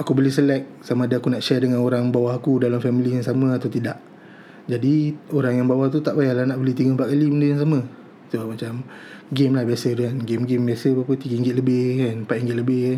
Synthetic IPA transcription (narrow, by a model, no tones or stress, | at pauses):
akubəlɪhsəlɛk̚samaːdaakunaʔʃɛrdəŋanoɾaŋbawaɦakudalamfɛmilijaŋsamə̃at̪awt̪idaʔ | d͡ʒadioɾaŋjaŋbawaht̪ut̪aʔbajahlahnaʔbəlɪht̪iɡəmpaʔ̪kalibəndəjaŋs̬amə | t̪oamat͡ʃamɡemlahbiasədukanɡemɡembiasəpapət̪iɡiŋɡɪʔ̪̚ləbɪhkanpaʔiŋɡɪʔ̪ləbɪh